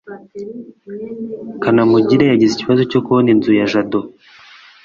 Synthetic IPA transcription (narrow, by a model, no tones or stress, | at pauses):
kanamuɟiɾejaɟiziciβazo̞cokuβoninzujaʒado